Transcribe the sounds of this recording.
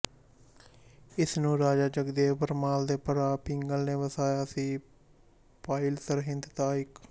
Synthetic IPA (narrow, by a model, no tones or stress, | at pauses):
ɪsnũːɾaːd͡ʒaːd͡ʒəɡd̪eːpəɾmaːld̪eːpəɾaːpɪŋɡəlneːʋəsaːjaːəsĩː | paːɪlsəɾɦɪnd̪t̪aːɪk